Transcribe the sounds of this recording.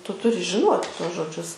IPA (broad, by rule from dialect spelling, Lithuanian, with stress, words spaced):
ˈtʊ ˈtʊrʲɪ ʒʲɪˈnuɔtʲɪ ˈtuɔs ʒoːˈd͡ʒʲʊs